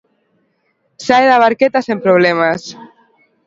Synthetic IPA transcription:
saeðaβaɾket̪asempɾoβ̞lemas

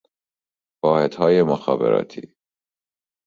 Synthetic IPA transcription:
vɒːhed̪hɒːjemoxɑ̰ːbḛɾɒ̰ːt̪ʰḭː

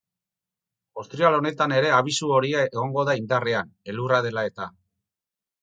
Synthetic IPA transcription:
ost̪ɾialo̞ne̞t̪ane̞ɾe̞aβ̞isuo̞ɾiaeɣ̞o̞ŋɡo̞ðaind̪areane̞luraðe̞lae̞t̪a

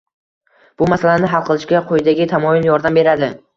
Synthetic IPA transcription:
b̥ʊmasalanɪɦalˠqʰɨlˠɪʃkʲaqʰojɪd̪aɡʲɪt̪ʰamɒjɪljɒɾd̪ambe̞ɾad̪ɪ

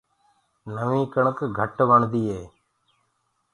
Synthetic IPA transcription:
nəʋĩːkəɳəkɡʱəʈʋəɳd̪iːɦeː

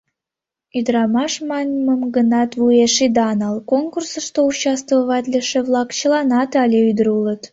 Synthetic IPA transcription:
yd̪ɾɑmɑʃmɑnʲməmɡənɑt̪βueʃid̪ɑnɑlˠkonkursəʃt̪out͡ɕːɑst̪vəβɑt̪ʲlʲeʃeβlˠɑkt͡ɕəlɑnɑt̪ɑlʲeyd̪əɾulət̪

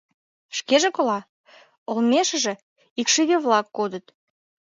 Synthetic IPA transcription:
ʃkeʒĕkolɑ | olmʲeʃə̆ʒĕ | ikʃiβeβlɑkːod̪ət̪

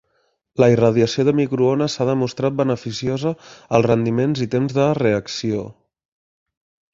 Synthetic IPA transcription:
ləirəð̞iəsioðəmikɾuonəsaðəmust̪ɾat̪̚bənəfisiozəːlˠzrənd̪imenzit̪emzðəreəksio

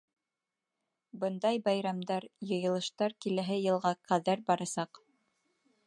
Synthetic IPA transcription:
bɤnd̪ɑjbɑjɾɑmd̪ɑɾjɤ̆jɤ̆lˠɤ̆ʃt̪ɑɾkilæɦɘjɤ̆lˠʁɑqæðæɾbɑɾɑsɑq

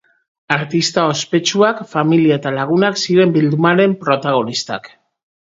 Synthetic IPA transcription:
aɾt̪ist̪ao̞spe̞t͡ʃuakfamiliae̞t̪alaɣ̞unaksiɾe̞mbild̪umaɾe̞mpɾo̞t̪aɣ̞o̞nist̪a̰k

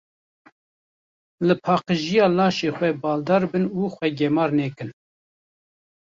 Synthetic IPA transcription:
lɨpʰɑːqəʒijɑːlɑːʃeːxʷɛbɑːld̪ɑːɾbɨnuːxʷwɛɡɛmɑːɾnɛːkɨn

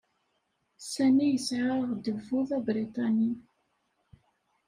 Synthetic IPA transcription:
sænijəsʕaʁd̪ufʊðˤæbɾit̪ˤɑni

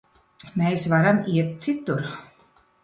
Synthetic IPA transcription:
mʲeːsvaɾamiɛt̪̚t̪sit̪ːuɾ

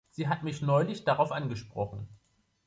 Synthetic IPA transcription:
z̥iːɦatmɪçnɔʏlɪçd̥aʁaʊfʔanɡəʃpʁ̥ɔχn̩

